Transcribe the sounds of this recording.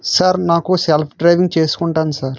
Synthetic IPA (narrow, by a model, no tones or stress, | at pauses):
saɾnaːkuselpʰɖɾɐjʋiŋɡ̚t͡ʃe̞ːsu̥kuɳʈaːnusaːɾ